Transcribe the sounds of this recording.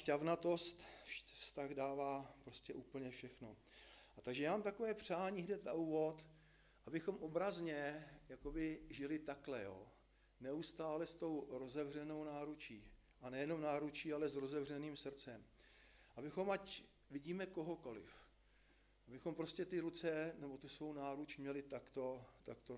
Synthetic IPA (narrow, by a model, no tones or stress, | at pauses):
ʃcavnat̪o̞st̪fst̪aɣdaːvaːpɾo̞scɛʔuːpl̩ɲɛfʃɛxno̞̰ | ʔat̪aɡʒɛjaːmamt̪ako̞vɛːpr̝̥aːɲiːɦdɛt̪a̰ʔuːvo̞t̪ | ʔabɪxo̞mʔo̞bɾazɲɛjako̞bɪʒɪlɪt̪aklɛjo̰ː | nɛust̪aːlɛst̪o̞wɾo̞zɛvr̝ɛno̞wnaːɾut͡ʃiː | ʔanɛjɛno̞mnaːɾut͡ʃiːalɛzɾo̞zɛvr̝ɛniːmsr̩t͡sɛmʔabɪxo̞mac | vɪɟiːmɛko̞ɦo̞ko̞lɪ̰f | ʔabɪxo̞mpɾo̞scɛt̪ɪɾut͡sɛnɛbo̞t̪usvo̞wnaːɾut͡ʃmɲɛlɪt̪akt̪o̞t̪akt̪o